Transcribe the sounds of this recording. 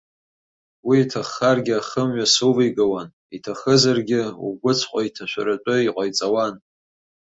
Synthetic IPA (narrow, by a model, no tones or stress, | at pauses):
wiːtʰaχːarɡʲɪaχəmɥasɨvijɡawan | itʰaχəzarɡʲɪṵɡʷʊt͡sʰqʷʼaitʰaʃʷa̰ɾat͡ʃʷʼɨiqʷʼajt͡sʼawan